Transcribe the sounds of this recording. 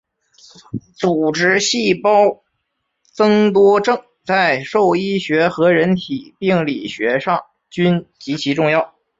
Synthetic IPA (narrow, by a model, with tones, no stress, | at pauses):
t͡su˨˩ʈ͡ʂɻ̩˥ɕi˥˩pɑ˥ʊ | t͡sɤ˥ŋt̪wɔ˥ʈ͡ʂɤ˥˩ŋ | t͡sa˥˧ɪʂo˥˩ʊi˥ɕɥɛ˧˥xɤ˧˥ɻə˧˥nt̪ʰi˨˩pi˥˩ŋli˨˩ɕɥɛ˧˥ʂɑ˥˩ŋ | t͡ɕy˥nt͡ɕi˧˥t͡ɕʰi˧˥ʈ͡ʂʊ˥˧ŋjɑ˥˩ʊ